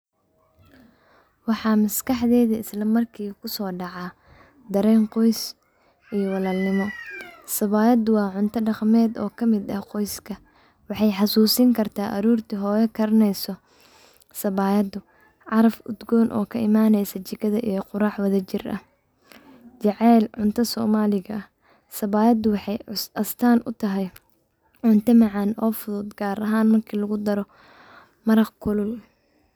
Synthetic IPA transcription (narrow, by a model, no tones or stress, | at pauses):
wɑħɑːmɐskɑħðɛːðɐɪslɐmɐrkʰiːkʰʊsɔːɖɑʕɑː | d̪ɐɾɛːŋqɔjs | ʔijɔwɑlaːlnɪmɔsɐβaːjɐd̪ʊwɑːʕʊnt̪ʰɐɖɑqmɛːd̪ɔːkʰɐmɪd̪ɐhqɔjskʰɐ | wɑħɑjħɑsuːsiŋkʰɐrt̪ʰaːʔɐɾuːrt̪ʰiɦɔːjɛkʰɐɾɐnɛjsɔ | sɐβaːjɐd̪ʊ | ʕɑɾɐfʊd̪ɡɔːnʔɔ̰ːkʰɐʔɪmaːnɛjsɐt͡ʃɪɡɐðɐʔijqʊɾaːħwɐðɐt͡ʃɪrʔɐ̰ | t͡ʃɛʕɛːlʕʊnt̪ʰɐsɔːmaːlɪɣɐɐh | sɐβaːjɐd̪ʊwɑħɑjʔɐst̪ʰaːnʔʊ̰t̪ʰɐɦɛj | ʕʊnt̪ʰɐmɑʕɑnɔːfʊðʊd̪ɡaːɾɐɦaːnmɐrkʰiːlɐɣʊd̪ɐɾɔ | mɐɾɐqkʰʊlʊl